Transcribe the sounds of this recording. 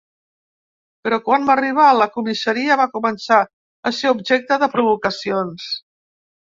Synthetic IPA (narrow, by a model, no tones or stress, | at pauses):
pəɾɔkwanməriβ̞aləkumisəɾiəβakumənsa | əseubʒɛk̚t̪əðəpɾuβ̞ukəsions